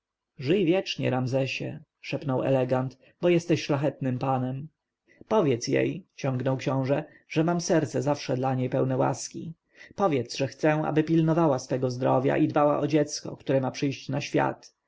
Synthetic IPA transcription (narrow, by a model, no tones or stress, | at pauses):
ʐɘjvʲjɛt͡ʂɲɛ̰ɾamzɛɕɛ̰ | ʂɛpnɔwɛ̰lɛɡant̪ | bɔjɛst̪ɛɕʂlaxɛt̪nɘmpanɛm | pɔvʲjɛt̪sjḛjt͡ɕɔ̃ŋɡnɔwkɕɔ̃w̃ʐɛ | ʐ̥ɛmamsɛɾt̪sɛzafʂɛd̪laɲejpɛwnɛwa̰skʲi | pɔvʲjɛt̪sʐɛxt̪sɛ̃a̰bɘpʲilnɔvawasfɛɡɔzd̪ɾɔvʲja̰ʔid̪bawa̰ʔɔd͡ʑɛt̪skɔ̰kt̪uɾɛmapʂɘjɕt͡ɕnaɕfʲja̰t̪